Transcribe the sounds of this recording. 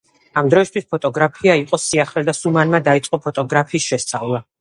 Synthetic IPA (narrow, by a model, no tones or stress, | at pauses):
amd̪ɾɔist̪ʰwispʰɔt̪ʼɔɡɾapʰiaiqʼɔsiaχlɛd̪asumanmad̪ait̪sʼqʼɔpʰɔt̪ʼɔɡɾapʰiːsʃɛst̪sʼavlˠa